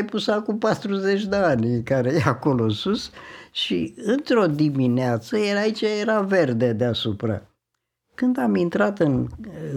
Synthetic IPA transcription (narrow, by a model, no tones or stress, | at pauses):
jpusakumpat̪ɾuzet͡ʃʲd̪eanʲkaɾejeako̞lo̞nsusʃiɨnt̪ɾo̞d̪imineat̪səjeait͡ʃajeɾave̞rd̪e̞d̪easupɾa̰ | kɨnd̪amint̪ɾat̪ɨn